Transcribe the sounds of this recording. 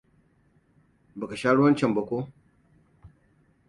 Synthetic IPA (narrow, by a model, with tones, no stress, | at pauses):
bɐ˨ka˨ʃaː˦ɽu˦wɐ˦nt͡ʃɐ˨mbɐ˨kʷo˦